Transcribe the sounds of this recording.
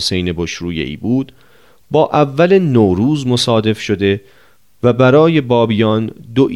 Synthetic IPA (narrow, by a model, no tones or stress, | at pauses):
se̞jne̞boʃɾuːjḛʔḭːbuːd̪ | bɒːʔævːælenoːɾuːzmosɒːd̪e̞fʃo̞d̪e̞ | væbæɾɒːje̞bɒːbijɒːnd̪oʔ